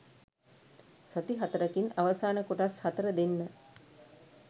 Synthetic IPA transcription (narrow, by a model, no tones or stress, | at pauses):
sɐt̪iɦat̪əɾəkinaʋɐsaːnəkuʈashɐt̪əɾəd̪enːə